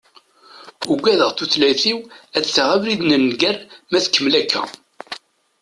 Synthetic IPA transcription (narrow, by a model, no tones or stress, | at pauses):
ʊɡʷːæðəʁθuθlæθiwæt͡sːθaʁævɾiðnənːɡæɾmæθkːəmlækʰːæ̰